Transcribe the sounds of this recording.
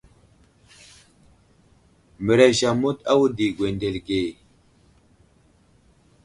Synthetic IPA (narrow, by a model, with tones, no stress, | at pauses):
mə˨ɾe˨ʃa˨mu˦ta˦wu˦di˨ɡʷwe˨nde˨lɡe˨